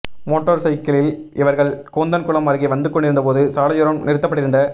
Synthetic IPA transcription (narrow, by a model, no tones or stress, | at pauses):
moːʈːoːɾsɐɪkɐlɪlɪʋɐɾɣɐɭkoːnd̪ɐnkʊɭɐmɐɾɣeʋɐnd̪ɯkːɔɳɖɪɾɯnd̪ɐpoːðɯsaːlɐjʊːɾɐmnɪɾɯt̪ːɐpːɐʈːɪɾɯnd̪ɐ